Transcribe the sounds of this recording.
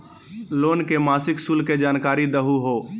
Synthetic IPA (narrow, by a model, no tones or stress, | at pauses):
loːnkemaːsɪksulked͡ʒaːnkaːɾid̪əɦuɦoː